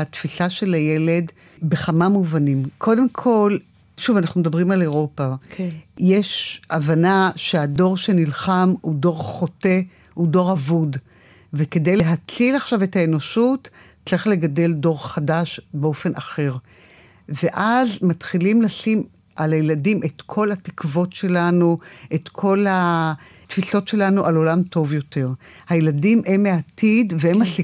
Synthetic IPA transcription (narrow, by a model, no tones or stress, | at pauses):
atfisaʃe̞laje̞le̞d | be̞χamamuvanimkʰo̞de̞mkʰo̞l | ʃuvanaχnumed̪abʁimaleʁo̞pa | jeʃavanaʃe̞ado̞ʁʃe̞nilχamudo̞ʁχo̞te̞ | hudo̞ʁavud | veke̞dejleɦat͡silaχʃavetaeno̞ʃut | t͡sʁiχle̞ɡade̞ldo̞ʁχadaʃbeo̞fe̞nʔaχe̞ʁ | ve̞ʔazmatχilimlasim | ʔalajeladimʔetkʰo̞lhatikvo̞tʃe̞lanuʔe̞tkʰo̞lha | tfiso̞tʃe̞lanuʔalo̞lamto̞vjo̞te̞ʁhajeladimʔemeatidveemasi